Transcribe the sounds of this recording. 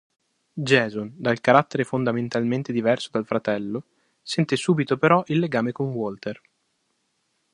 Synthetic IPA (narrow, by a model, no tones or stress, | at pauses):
d͡ʒɛːzond̪alkaɾat̪ːeɾefond̪ament̪alment̪ed̪ivɛrsod̪alfɾat̪ɛlːo | sɛnt̪esuːbit̪opeɾɔʔilːeɡaːmekonwɔlt̪er